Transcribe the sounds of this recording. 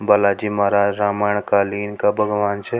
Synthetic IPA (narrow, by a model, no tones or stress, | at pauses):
bɐlaːd͡ʒimaːɾaːd͡ʒɾaːmaːɳkaːliːnkabʱɐɡʋaːnt͡ʃʰɛ